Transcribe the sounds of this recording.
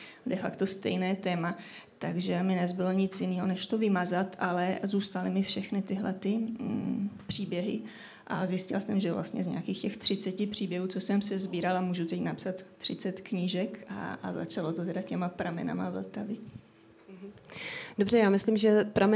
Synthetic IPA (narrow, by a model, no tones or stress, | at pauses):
dɛfakt̪o̞st̪ɛ̰jnɛːt̪ɛːmat̪aɡʒɛmɪnɛzbɪloɲɪt͡sjɪniːɦonɛʃt̪ovɪmazat̪ʔalɛzuːst̪alɪmɪfʃɛxnɪt̪ɪɦlɛ̰t̪ɪ | pr̥iːbjɛɦɪ̰ | ʔa̰zjɪscɪ̰lasɛmʒɛvla̰st̪ɲɛ̰zɲḛakiːxcɛxt̪r̝̥ɪt͡sɛcɪpr̝̥iːbjɛɦuːt͡sosɛmsɛzbiːɾalamuːʒut̪ɛcnapsat̪ːr̝̥ɪt͡sɛt̪kɲɪʒɛka̰aza̰t͡ʃalo̞t̪ot̪ɛdacɛmapɾamɛ̰na̰ma̰vl̩t̪avɪ | dobr̝ɛjaːmɪslimʒɛpɾamɛ